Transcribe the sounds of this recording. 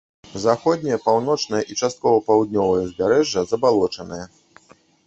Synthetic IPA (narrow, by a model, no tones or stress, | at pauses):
zaxɔd̪̚ʲnʲijɐpawnɔt͡ʂnɨjɐʔit͡ʂast̪̚kɔvɐpawd̪̚ʲnʲɔvɐjɐzʲbʲaɾɛʐːɐzɐbalˠɔt͡ʂɐnɨjɐ